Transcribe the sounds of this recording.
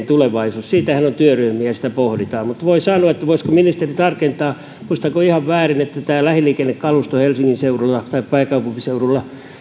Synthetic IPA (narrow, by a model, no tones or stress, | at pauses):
nt̪uleʋɑisuːssiːt̪æhænont̪yøryhmiæsi̥t̪æpohdit̪ɑːmmut̪ʋoisɑːnuɑet̪ːæʋoiskominist̪erit̪ɑrkent̪ɑː | muist̪ɑkoihɑʋʋæːrinet̪ːæt̪æːlæhiliːkenːekkɑlust̪ohelsiŋːinseurulːɑt̪ɑippæikɑupumpiseurulːɑ